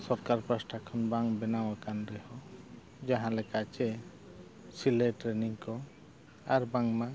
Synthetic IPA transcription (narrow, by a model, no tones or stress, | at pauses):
sɔɾkaɾpɾasʈʰakʰɔnbaŋbɛnawakanɾɛhɔ | d͡ʒaɦãlɛkat͡ʃɛ | sileʈɾeniŋkɔ | aɾbaŋma